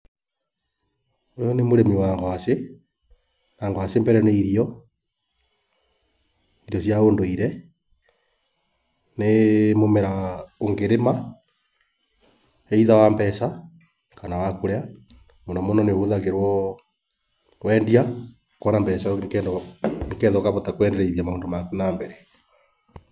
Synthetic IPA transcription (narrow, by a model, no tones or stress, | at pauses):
ojɔnemoɾemiwaŋɡwase | naːŋɡoasembɛɾɛneiɾiɔ | iɾjɔsjaoːndoiɾɛ | nemomeɾaoŋɡeɾema | eiðawambɛsa | kanawakoɾea | monamonɔneoðaɣeɾwɔ | wɛːndia | kɔnambɛsakɛːndoŋkɛðɔkaβotakwɛndɛɾeiðiamaoːndomakunambɛɾɛ̥